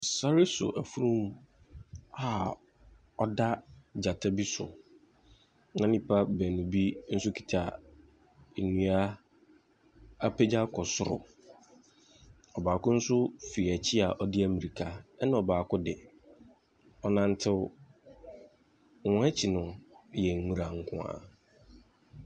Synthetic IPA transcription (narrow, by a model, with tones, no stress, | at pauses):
sa˦ɾi˦sʊ̰˨ʔæ˨fu˦ɾũ˦m | a˦˨ | ɔ˦da˦d͡ʑa˨tʰa˦bi˦sʊ̰˨ | nã˦nĩ˦pʰa˦bæ˨nʊ̃˨bi˦n̩˦sʊ˦kʰi̥˦tʰa˨ | e˨nũ˨a˦ | a˦pʰe˦d͡ʑa˦kʰɔ˨sʊ˦˨ɾʊ̰˨ | ɔ˨baː˨kʊ̃˦n̩˦sʊ˦fi˨æ˨t͡ɕʰɪ˦a˨ʔɔ˨dɪ˦æ˨mĩ˨ɾi˨kʰa˦ɛ˦nã˦ɔ˨baː˨kʊ˦dɪ˨ | ɔ˦nã˦n̩˦tʰɪ˦ | wɔ̃˦ɛ˦t͡ɕʰi˨nʊ̃˨jɛ˨ŋ˨ŋũ˨ɾa˨ŋ̩˨˦kʰʊ̰̃˦a̰˨